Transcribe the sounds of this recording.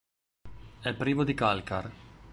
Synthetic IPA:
ɛpːɾiːmod̪ikalkar

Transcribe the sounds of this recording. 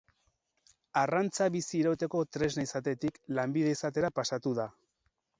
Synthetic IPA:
arant͡saβisiːɾat̪e̞ko̞t̪ɾe̞znaisat̪e̞t̪iklambiðe̞isat̪e̞ɾapasat̪uða

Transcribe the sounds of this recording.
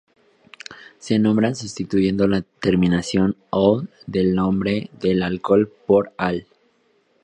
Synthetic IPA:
se̞nõmbɾansust̪it̪uʝe̞nd̪o̞lat̪e̞ɾmĩnasjo̞noðe̞lnõ̞mbɾe̞ðe̞lalko̞lpoɾal

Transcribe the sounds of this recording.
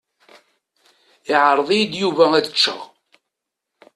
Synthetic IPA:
ɪʕəɾˤðˤijid̪juvææd̪ət͡ʃːæ̰ʁ

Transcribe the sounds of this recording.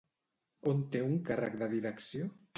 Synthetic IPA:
ont̪euŋkara̰kd̪aðiɾeksjo

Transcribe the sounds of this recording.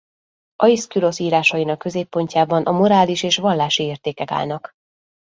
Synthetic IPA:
ʔɒiskylo̞siːɾaːʃɒjinɒkːø̞zeːpːo̞ɲcaːbɒnʔɒmo̞ɾaːliʃeːʃʋɒlːaːʃieːrt̪eːkɛka̰ːlnɒk

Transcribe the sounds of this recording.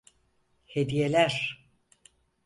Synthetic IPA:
hed̪ijelʲæɾ̥

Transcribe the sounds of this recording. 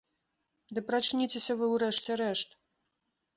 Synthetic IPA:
d̪ɨpɾat͡ʃnʲit͡sʲesʲɐvɨwɾɛʂt͡sʲɛɾɛʂt̪

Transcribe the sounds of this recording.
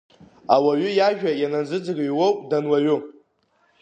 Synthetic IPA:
awaɥʊjaʒᶣajanand͡zɨd͡zɨɡɥwowdanwaɥʊ

